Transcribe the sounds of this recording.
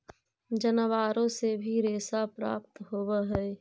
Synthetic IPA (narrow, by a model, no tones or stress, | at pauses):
d͡ʒənəʋaːɾõsebʱiɾeːsapɾa̰ːp̚t̪ɦoːwaɦɛː